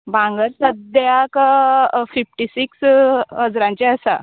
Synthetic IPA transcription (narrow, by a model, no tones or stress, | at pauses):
bãŋɡəɾsəd̪jak | fifʈisiksɦəd͡zɾãɲt͡ɕeəsa̰